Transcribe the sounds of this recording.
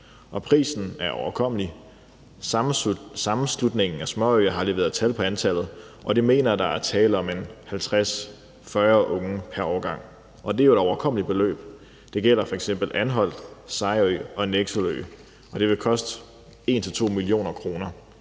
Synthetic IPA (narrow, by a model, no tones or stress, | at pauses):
ʔɒ̽pʰʁḭːsn̩æɐʔɒʊɐkʰɒm̰li | sɑ̈mm̩slud̥ne̝ŋn̩æsmɒ̰øɐɦɑ̈le̝ːʋeæɐð̩ˠt͡sʰælpʰɒ̽ænt͡sʰæl̰ð̞̩ˠ | ʔɒ̽d̥ime̝̰ːnɐd̥ɑ̈æɐt͡sʰɛːləɒ̽menhælt͡sʰʁas | fɶːɐʔɔ̽ŋəpʰæɐɒʊɐɡ̥ɑ̈ŋ̰ | ʔɒ̽d̥e̝æod̥ɒʊɐkʰɒ̽m̰lib̥e̝lø̰ːb̥ | d̥e̝ɡ̥el̰ɐfɒeɡ̥sem̰b̥l̩ʔænɦɒ̽l̰d̥sɑ̈ɪy̰ɒ̽neɡ̥solø̰ː | ʔɒ̽d̥e̝ʋe̝kʰɒ̽sd̥ə | e̝̰ːnt͡sʰe̝lt͡sʰo̝̰ːmilio̝̰ːnɐkʰʁo̝ːnɐ